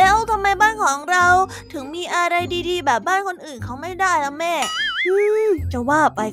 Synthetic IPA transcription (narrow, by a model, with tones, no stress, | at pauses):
lɛː˦˥wt̪ʰa˧mːa˧jbaː˥˩nkʰɔː˩˦ŋɾa˧w | t̪ʰɯ˩˦ŋmiː˧ʔa˧ɾa˧jdiː˧diː˧bɛː˨˩p̚baː˥˩nkʰo˧nʔɯː˨˩nkʰa˦˥wma˥˩jdaː˥˩jlɛ˦˥mɛː˥˩u˦˥˩t͡ɕa˨˩waː˥˩pa˧j